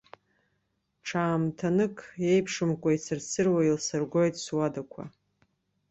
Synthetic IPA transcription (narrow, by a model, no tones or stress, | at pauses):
ʈ͡ʂʰaːmtʰanɨkʰʼe̞jpʰʂɨmkʷʼaisɨrsɨrwailsɨrɡʷo̞jtʰʼswadakʷʰa̰